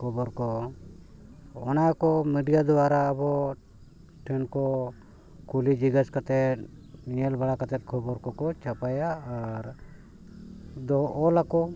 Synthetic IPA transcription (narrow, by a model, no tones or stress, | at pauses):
kʰɔbɔɾkɔ | ɔnajkɔmiɖijad̪ɔwaɾaːbɔ | ʈʰɛnkɔ | kulid͡ʒiɡaskat̪ɛt̪̚iɲɛlbaɽakat̪ɛt̪̚kʰɔbɔɾkɔkɔt͡ʃapajaːɾ | d̪ɔːlakɔ